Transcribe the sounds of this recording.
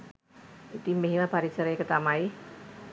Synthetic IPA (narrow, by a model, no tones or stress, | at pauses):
it̪imeɦinab̥aɾit͡ʃəɾekət̪amai